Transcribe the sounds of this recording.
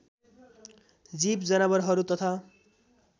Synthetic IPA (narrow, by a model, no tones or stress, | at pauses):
d͡zipd͡zʌnʌbʌɾɦʌɾut̪ʌt̪ʰa